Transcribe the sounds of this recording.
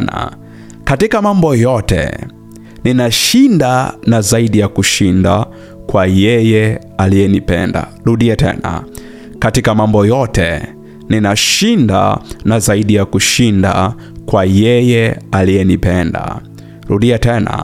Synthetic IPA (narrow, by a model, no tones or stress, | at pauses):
na̰ | katikamambɔjɔtɛ̰ | ninaʃindanazaiɗijakuʃinda | kwajɛjɛ | alijɛnipɛ̰nda̰ɾuɗiatʰɛ̰na̰ | katikamambɔjɔtɛ̰ | ninaʃinda̰nazaiɗijakuʃinda̰ | kwajɛjɛalijɛnipɛnda̰ | ɾuɗiatɛna̰